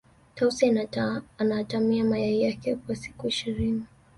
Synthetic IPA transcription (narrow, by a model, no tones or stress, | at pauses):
tausi | anatamiamajaijakɛkwasi̥kuiʃiɾini